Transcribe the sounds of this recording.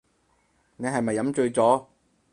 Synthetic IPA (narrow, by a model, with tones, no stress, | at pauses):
ne˨˧jɦɐ˨jmɐ˨jːɐ˨˥mt͡ʃɵ˧ɥt͡sɔː˨˥